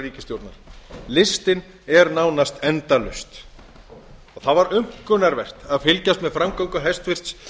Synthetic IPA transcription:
riːcɪst̪jowɾt̪naɾ̥lɪst̪ɪn | ɛɾnaːwnast̪ɛnt̪alʏ̰st̪ | ɔɣθaðvaɾʏm̥kʏnaɾvɛr̥t̪aðfɪlcast̪mɛðfɾamkowŋkʏɦɛjst̪fɪr̥t̪s

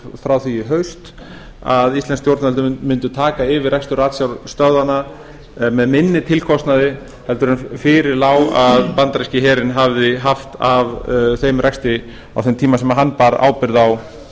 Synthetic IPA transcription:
fɾawθiɪɦœɥst̪ | aðist̪lɛnst̪jowɾt̪nɛlt̪ʏmʏnt̪ʏt̪ʰaːkaɪvɪɾrɛkst̪ʏɾaːt̪sjawst̪œððanːa | mɛðmɪnːɪt̪ʰɪlkʰɔst̪naðɪ | hɛlt̪ʏɾʏnfɪɾɪɾlaːwaðpant̪ɾɛscɪɦɛːɾɪnɦavðɪɦaft̪avθejmrʔɛkst̪ɪ | a̰wθemt̪ʰiːmasɛmaɦanːpaɾa̰ːwpɪɾðaw

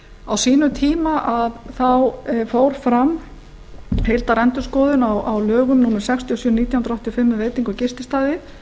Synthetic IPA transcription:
awsiːnʏt̪ʰiːmaʔaðθawfoːwɾ̥fɾam | hejlt̪aɾɛnt̪ʏskɔːðʏnawawlœːɣʏmnuːnʏmsɛkst̪ʰiɔsʏːniːt̪jawhnɾɔht̪ʰiɔfɪmːɪveːjt̪iŋkʏcɪst̪ɪst̪aːðɪ

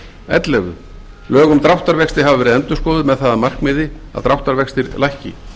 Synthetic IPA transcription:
ɛ̰t̪lɛɣʏ̰ | lœːɣʏmt̪ɾawht̪aɾvɛkst̪ɪ̥ɦavavɛːɾɪðɛnt̪ʏskɔːwðʏmɛðθaðamar̥kmɪːðɪaðt̪ɾawht̪aɾvɛkst̪ɪɾlajhcɪ̰

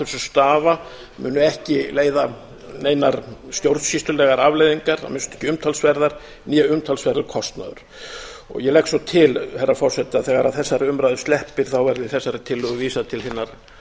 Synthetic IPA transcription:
θɛsʏst̪aːva | mʏ̰ːnʏɛhcɪleːjða | neːjnaɾst̪jowɾt̪sist̪ʏlɛɣaɾavlejðiŋkaɾ̥a̰mɪnst̪ɛ̥hcɪʏmt̪ʰalsvɛɾðaɾ̥ | niːaʏmt̪ʰalsvɛɾðʏɾkʰɔst̪na̰ðʏ̰ɾ̥ɔ̰ɣjɛlɛhksɔt̪ʰɪlhɛrːafɔr̥sɛt̪ɪaðθɛːɣaɾaðθɛsːaɾɪʏmɾajðʏst̪ɛhpɪɾ̥θawvɛɾðɪθɛsːaɾɪt̪ʰɪlːʏɣʏviːsat̪ʰɪlθɪnːaɾ̥

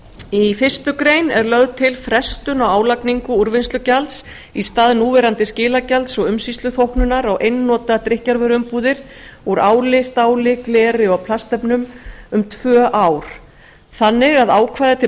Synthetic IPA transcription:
ifɪr̥st̪ʏkɾeːjnɛɾlœðt̪ʰɪlfɾɛst̪ʏnawaːwlakniŋkʏuɾvɪnst̪ʏcalt̪s | ist̪aːðɪnuːvɛɾant̪ɪscɪːlacalt̪sɔɣʏmsist̪ʏθowhknʏnaɾawʔejnːɔːt̪at̪ɾɪhcaɾvɛɾʏmpuːðɪɾ̥uɾaːwlɪst̪aːwlɪklɛːɾɪɔɣpʰlast̪ɛpnʏmʏmt̪ʰv̥œːʔaːwɾ̥ | θanːɪɣaðaːwkʰvajðɪt̪ʰɪ

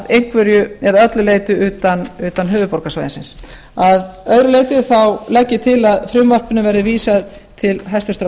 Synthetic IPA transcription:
ðejŋ̥kvʏɾjʏɛðœt̪lʏleːjt̪ʏʏːt̪anʏːt̪anɦʏːvʏpɔwɾkasajɪnsɪns | aðœɥɾʏleːjt̪ʏθawlɛcːɪt̪ʰɪlaðfɾʏmːvar̥pɪnʏvɛɾðɪviːsað | t̪ʰɪlɦɛst̪ʏst̪ɾa

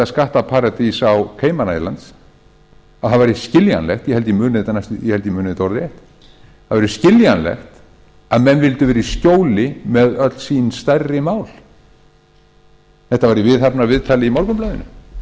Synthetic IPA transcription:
askaht̪apʰaːɾat̪isawkʰeːjmaɾnajla̰nt̪s | aðhaðvajɾɪscɪlja̰nlɛxt̪jɛhɛlt̪ɪimʏːnɪðt̪anːajst̪jɛhɛlt̪ɪimʏːnɪðɪt̪ɔɾðejht̪ | aðvaɾɪscɪljanlɛ̰xt̪ | aðmɛnvɪlt̪ʏvɛːɾiscoːwlɪmɛðœt̪l̥sinst̪arːɪmaːwl̥ | θɛht̪avaɾivɪðhapnavɪðt̪ʰaːlɪimawɾkʏmplœːðʏnʏ

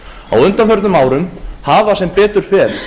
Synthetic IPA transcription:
a̰wʏnt̪anfœɾt̪ʏmaːwɾʏmhaːvasɛmpɛːt̪ʏɾ̥fɛːɾ

